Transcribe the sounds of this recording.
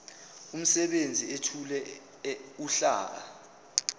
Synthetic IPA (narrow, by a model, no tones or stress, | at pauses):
um̩sɛɓend͡zʱietʰulɛ | uɬa̰ːk̬a̰